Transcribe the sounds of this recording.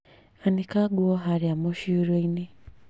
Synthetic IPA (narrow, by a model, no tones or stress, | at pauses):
anikaɡuɔɦaɾijamɔʃiɾeini